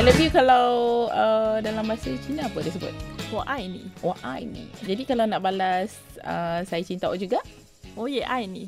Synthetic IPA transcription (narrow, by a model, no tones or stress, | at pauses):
aləbihkalawədalambaasət͡ʃinãpədəs̬əbʊ̰t̪̚oʔajnĩoʔa̰jnḭd͡ʒadikalawnãʔbalas | ə̰sajat͡ʃint̪aʔʔd͡ʒuɡaʔ | ojeʔajni